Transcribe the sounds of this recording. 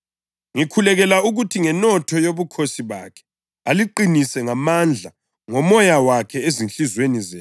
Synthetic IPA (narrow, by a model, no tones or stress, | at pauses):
ŋikʰulɛɣɛlauɣutʰiŋɛnɔtʰɔjoβukʰosiβa̰kʰɛ̥ | aliǃinisɛŋamand͡ɮʱa | ŋɔmɔjawakʰɛezinɬizwenizɛː